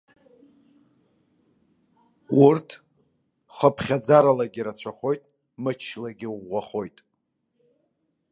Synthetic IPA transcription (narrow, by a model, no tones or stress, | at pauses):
urtʰ | χəpʰχʲad͡zaɾalaɡʲiɾat͡ɕʷʰaχo̞jtʼ | mɨt͡ʃʰlaɡʲɪaχo̞jtʼ